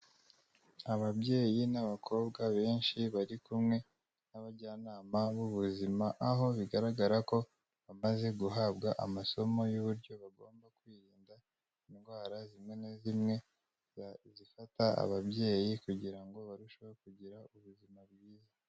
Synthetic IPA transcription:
aβabje̞ːjinaβakʰo̞ːbɡaβe̞ːnʃiβaɾikumŋe̞ | naβaɾɟaːnaːmaβuβuzimaʔaɦo̞βiɡaɾaɡaɾako̞ | βamaze̞ɡuɦabɡaʔamaso̞mo̞juβuɾɟo̞βaɡo̞ːmbakwiːɾiːnda | inɡwaːɾazimŋe̞nezimŋe̞ | zifataa̰βabje̞ːjikuɟiɾaŋɡo̞βaɾuʃo̞βoɾekuɟiɾauβuzimaβɡiːje

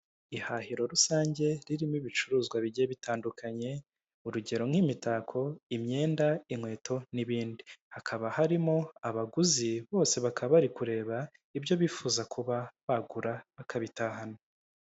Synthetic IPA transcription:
ihahiɾo̞ɾusaːɲɟe̞ɾiɾimiβit͡ʃuɾuːzɡwaβiɟieβitʰaːndukʰaɲe̞ | uɾuɟe̞ɾo̞ŋ̥himitaːkʰo̞imɲe̞ːndaimŋwe̞ːtʰo̞niβiːndihakʰaβahaɾimo̞aβaɡuziβo̞ːse̞βakʰaββaɾikuɾe̞ːβa | ibjo̞βiːfuːzakuβaβaɡuɾaβakʰaβitahano

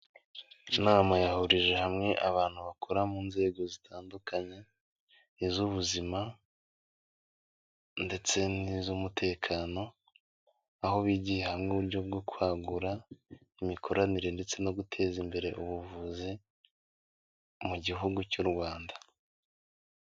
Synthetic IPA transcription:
naːmajahuɾiʒe̞hamŋe̞ʔaβaːn̥huβakʰoɾamuːnze̞ːɡo̞zitʰaːndukaɲe̞ | izuβuzima | nde̞t͡se̞nizumutʰe̞ːkʰaːno̞ | aho̞βiːɟihehamŋuβuɾɟo̞b̚ɡokwaːɡuɾa | imikʰo̞ɾaniɾe̞nde̞t͡se̞no̞ɡutʰe̞ːzimbe̞ɾe̞ʔuβuvuzi | muɟiɦuɡucuɾɡwaːnda

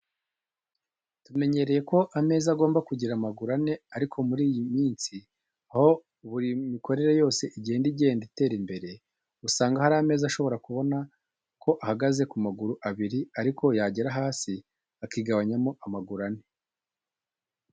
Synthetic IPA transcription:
tume̞ɲe̞ɾe̞je̞ko̞ʔame̞ːzaɡo̞ːmbakuɟiɾamaɡuɾane̞aɾikʰo̞muɾiːjimiːnsi | aho̞ | uβuɾimiko̞ɾe̞ɾe̞jo̞ːse̞ʔiɟiendiɟe̞ːndite̞ːɾimbe̞ɾe | usaːŋɡahaɾaːme̞ːzaʃo̞βo̞ɾakuβo̞na | kʰo̞ʔahaɡaze̞kumaɡuɾuʔaβiɾiaɾiko̞jaɟeɾaɦaːsi | akiːɡaβaɲamo̞ʔamaɡuɾane̞

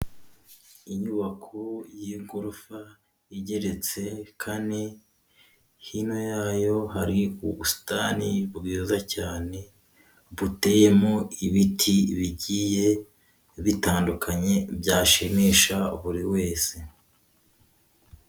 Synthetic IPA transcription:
iɲuβakʰojiŋɡuɾufa | iɟe̞ɾe̞t͡se̞kʰane | hino̞jaːjo̞ɦaɾiuusi̥taːnibɡiːzacaːne̞ | βute̞je̞moiβitʰiβiɟije̞ | βitaːndukʰaɲe̞bjaːʃimiːʃaβuɾiwe̞ːse̞

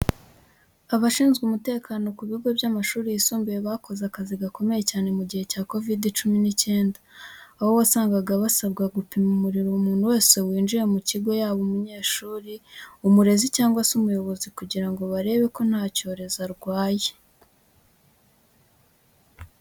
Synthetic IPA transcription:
aβaʃiːnzɡumute̞ːkaːno̞kuβiuɡo̞bjamaʃuːɾijisuːmbijeβako̞zakaziɡako̞me̞je̞caːne̞muɟihe̞caːko̞vidit͡ʃuminice̞ːndaːβo̞βasaːŋɡaɡaβasaβɡaɡupimumuɾiɾoumuːn̥huwe̞ːse̞wiːnd͡ʒiɾe̞muciɡwe̞jaːβomuɲe̞ːʃuːɾiumuɾe̞zicaːŋɡwasumujo̞βo̞zikuɟiɾaŋɡo̞βaɾe̞ːβe̞ko̞n̥haːco̞ːɾe̞zaɾɡwaːje

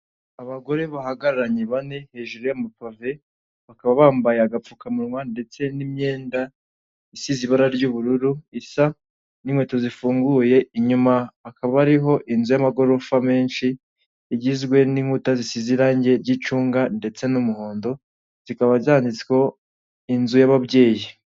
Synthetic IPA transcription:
aβaɡo̞ɾe̞βahaɡaɾaɾaɲe̞βane̞he̞ʒuɾojamapave | βakaβaβaːmbajaaɡap͡fukamuɾŋwande̞t͡se̞nimɲe̞ːnda | isiziβaɾaɾɟuβuɾuɾuisa | nimwe̞ːto̞zifuːŋɡuje̞iɲumaakaβaaɾiɦo̞ʔinzujamaɡo̞ɾo̞fame̞ːnʃiː | ɟizɡwe̞niŋhutazisiziɾaːɲɟe̞ɾɟit͡ʃuːŋɡande̞t͡se̞numuho̞ːndo̞ | z̥ikaβaziaːndit͡sko̞ | inzujaβaβɟe̞ːji

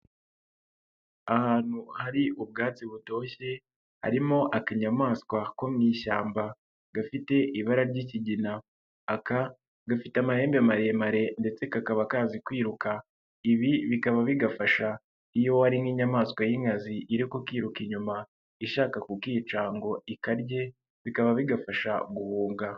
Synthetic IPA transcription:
ahaːn̥huhaɾiʔub̚ɡaːt͡siβuto̞ːɕe̞ | ha̰ɾimo̞ʔakiɲamaːskwako̞mŋiːɕaːmba | ɡ̥afite̞ʔiβaɾaɾɟiciɟinaː | ka | ɡafitamahe̞ːmbamaɾe̞maɾe̞nde̞t͡se̞kakaβakaːzikwiːɾukʰa | iβiβikaβaβiɡafaʃa | ijo̞aɾinɡiːɲamaːskwajiŋɡaziʔːɾikokwiːɾukiɲuma | iʃaːkakukiːt͡ʃaːŋɡo̞ikaɾɟe̞ | βikaβaβiɡafaʃa̰ɡuhuːŋɡa

